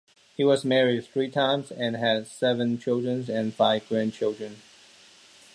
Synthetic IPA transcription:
hiwʌzmɛɹɪd̚θɹitʰãɪ̃mzɛ̃nɦɨdsɛvə̃nt͡ʃʰɪlˠdɹə̃nzɛ̃nfaɪvɡɹæ̃nt͡ʃʰɪlˠdɹə̃n

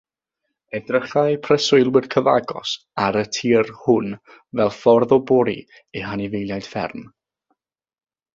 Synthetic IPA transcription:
ɛdrəχaɨpʰrəsʊɨlˠwɪrkʰəva̰ɡɔ̰s | aɾətʰiːrhʊn | vɛlˠfɔrðɔbɔɾḭ | eɦanivejlˠjajd̥fɛ̰rn

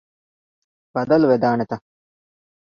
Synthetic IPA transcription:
b̥ɐd̪ɐlʋed̪aːnɐt̪ɐ

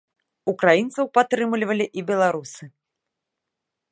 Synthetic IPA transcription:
ukɾajint̪sɐwpat̪ːɾɨmlʲivɐlʲiʔibʲɛlˠaɾusɨ

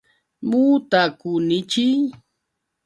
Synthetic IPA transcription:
mut̪akʊnɪt͡ʃij

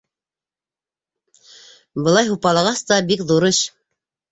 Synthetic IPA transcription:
bɤ̆lˠɑjɦupɑlˠɑʁɑst̪ɑbikðuɾɤɕ

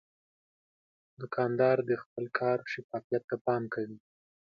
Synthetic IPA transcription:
d̪əkʰɑnd̪ɑɾd̪əxpəlkʰɑɾʃɪfɑfijat̪ːapɑmkawi

